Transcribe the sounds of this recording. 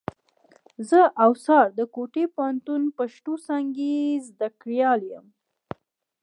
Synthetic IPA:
zəʔawsɑɾd̪əkoʈepaant̪unpaʃʈosɑŋɡezd̪akɽjɑljəm

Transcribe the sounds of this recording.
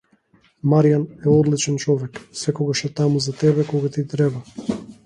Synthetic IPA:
maɾijanɛɔd̪lit͡ʃɛnt͡ʃɔvɛksɛkɔɡaʃɛt̪amuzat̪ɛβɛkɔɡat̪it̪ɾɛba

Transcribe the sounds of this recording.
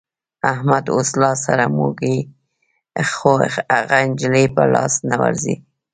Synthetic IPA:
ahmad̪oslɑsaɾamoɡi | xoaɣaɪnd͡ʒlipəlɑsnawa̰ɾzi

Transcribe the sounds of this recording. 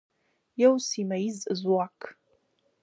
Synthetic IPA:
jɛwsimajizɨzwaːkʰ

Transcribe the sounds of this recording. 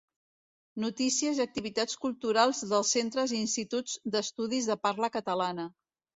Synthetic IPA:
nut̪isiəziək̚t̪iβit̪at͡skulˠt̪uɾalˠzðəlˠsent̪ɾəziːnst̪it̪ud͡zd̪əst̪uð̞izðəpaɾləkət̪əlanə

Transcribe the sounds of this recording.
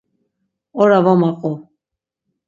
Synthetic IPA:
ɔɾavamaqʼɔ

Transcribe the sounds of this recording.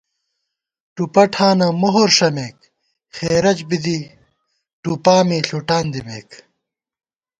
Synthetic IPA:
ʈupɐʈʰaːnɐmoɦoɾʂɐmeːk̚ | xeːɾɐt͡ɕbid̪i | ʈuːpaːmiːɬoʈaːnd̪imeːk

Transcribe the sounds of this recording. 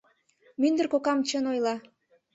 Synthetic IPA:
mynd̪ərkokɑmt͡ɕənojlɑ

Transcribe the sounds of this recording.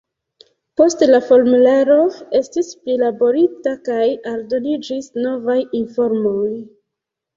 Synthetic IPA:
po̞stlafo̞ɾmulaɾo̞e̞stisplilabo̞ɾitakajaldo̞nid͡ʒisno̞vajinfo̞ɾmoj

